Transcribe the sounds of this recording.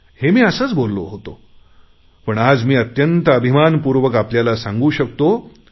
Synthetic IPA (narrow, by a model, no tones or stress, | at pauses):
hemiːəsəːt͡sbolːo̰ɦot̪o | pəɳad͡zmiːət̪jənt̪əəbʱimanpuɾʋəkapljalasãŋɡuːɕək̚t̪o